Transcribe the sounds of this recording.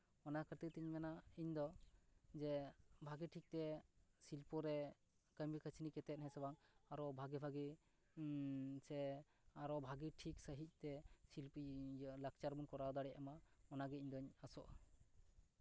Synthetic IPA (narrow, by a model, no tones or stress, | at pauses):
ɔnakʰəɾt̪it̪iɲmɛnaiɲd̪ɔd͡ʒɛbʱaɡiʈʰik̚t̪ɛsilpɔɾɛ | kəmikʰət͡ʃʰinikɛt̪ɛt̪̚ɦɛsɛbaŋaɾɔbʱaɡɛbʱaɡi | sɛ | aɾɔbʱaɡiʈʰik̚səɦic̚ˀt̪ɛsilplak̚t͡ʃaɾbunkɔɾawd̪aɽɛamaɔnaɡɛiɲd̪ɔiɲasɔʔ